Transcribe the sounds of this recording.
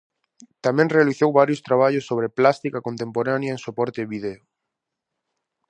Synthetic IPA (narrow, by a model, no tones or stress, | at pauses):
t̪amẽŋrealiθowβaɾjost̪ɾaβ̞aʎosːoβ̞ɾeplast̪ikakont̪empoɾanjaeŋsopɔɾt̪eβiðeo